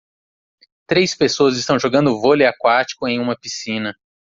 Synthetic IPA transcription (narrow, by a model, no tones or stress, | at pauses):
t̪ɾejspesoɐzist̪ɐ̃w̃ʒoɡɐ̃nd̪ʊvolɪakwat͡ʃi̥kʊẽj̃ũmɐpisĩnɐ